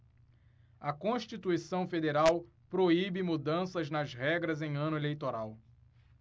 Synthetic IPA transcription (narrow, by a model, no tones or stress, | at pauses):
ɐkõʃt͡ʃit̪uisɐ̃w̃fed̪eɾaw | pɾoibɪmud̪ɐ̃sɐznɐzhɛɡɾɐzẽj̃ɐ̃nʊelejt̪oɾaw